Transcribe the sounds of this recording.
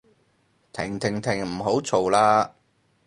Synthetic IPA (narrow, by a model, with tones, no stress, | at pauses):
t̪ʰɪ˨˩ŋt̪ʰɪ˨˩ŋt̪ʰɪ˨˩ŋm̩˨˩ɦo˨˥wt͡sʰo˨˩wlaː˧